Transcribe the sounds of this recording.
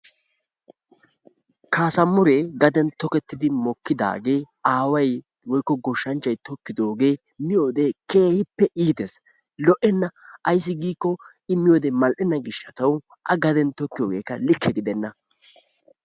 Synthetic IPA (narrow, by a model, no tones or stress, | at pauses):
kʰaːsɐmːʊɾeːɡɐd̪ɛnt̪ɔkɛt̪ːɪd̪ɪmɔkːɪd̪a̰ːɡe̞ː | aːwɐj | wɔjkːɔɡɔʃːɐnt͡ʃːɐjt̪ɔkːɪd̪o̞ːɡe̞ː | mɪjo̞ːd̪ekeːhɪpːɛʔiːt̪es | lɔʔɛnːɐʔɐjs̬ːɪɡiːkːɔ | ɪmːɪjoːd̪ɛmɐlʔɪnːɐɡɪʃːɐt̪ɐw | ʔɐɡɐd̪ɛnt̪ɔkːɪjoːɡeːkːɐlɪkʰːɛɡɪd̪ɛnːɐ